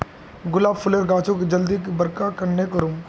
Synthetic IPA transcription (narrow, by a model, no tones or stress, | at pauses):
ɡʊlaːbpʰʊleɾɡaːt͡ʃõked͡ʒɐld̪ikibɐɾkakɐɾnekɐɾũm